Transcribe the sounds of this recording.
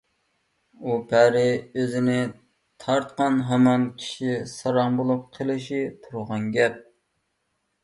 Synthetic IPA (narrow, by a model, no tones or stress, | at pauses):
upʰæɾɪøzɪnɪ | t̪ʰɑɾt̪̚qɑnɦɛmɑnkʲʰi̥ʃisɑɾɑŋbolˠup̚qʰəlˠɪʃit̪ʰuɾʁɑnɡʲɛp̚